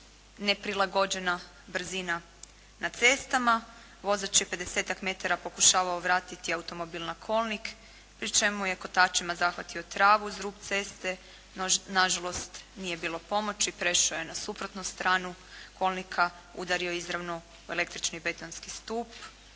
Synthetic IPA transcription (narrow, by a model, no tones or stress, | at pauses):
ne̞pɾilˠaɡo̞d͡ʒe̞na | br̩zina | nat̪se̞ːst̪ama | ʋo̞zat͡ʃepe̞d̪eseːt̪akme̞t̪aɾapo̞kuʃaːʋaoʋɾaːt̪it̪iawut̪o̞mobilˠnakʰo̞lˠnik | pɾit͡ʃe̞muje̞ko̞t̪aːt͡ʃimazaxʋat̪io̞t̪ɾaːʋuizɾuːpt̪se̞ːst̪e | naʒalo̞st̪nije̞biːlˠo̞po̞mo̞t͡ʃipɾe̞ʃajenasupɾot̪nust̪ɾʔaːnukʰo̞lˠnikʰa | ṵd̪aɾio̞izɾaʋno | ue̞le̞kt̪ɾit͡ʃnibe̞t̪onskist̪uːp